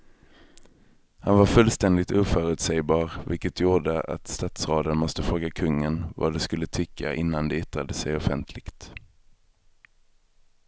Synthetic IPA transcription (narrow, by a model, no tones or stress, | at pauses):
hanvaɾfɵlst̪ɛnd̪ɪt̪uːfœːɾʉt̪sɛjbɑːɾvɪ̰lkət̪ʰjuːɖəa̰t̪st̪ɑːt̪sɾoːd̪ənmɔst̪əfɾoːɡakʰɵŋːənva̰d̪ɛskɵlːət̪ʰʏkʰːa̰ʔɪnːand̪ɛɪt̪ɾad̪əsɛjɔfɛnt̪ʰlɪɡ̥t̪